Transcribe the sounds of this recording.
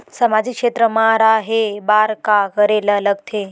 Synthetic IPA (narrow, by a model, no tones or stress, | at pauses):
səmad͡ʑikʂet̪ɾəmãɾaɦebaːɾkakəɾeləːləɡ̚t̪ʰe